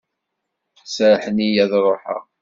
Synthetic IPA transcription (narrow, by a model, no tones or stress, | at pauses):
sɾħənijæðɾˤoħə̰ʁ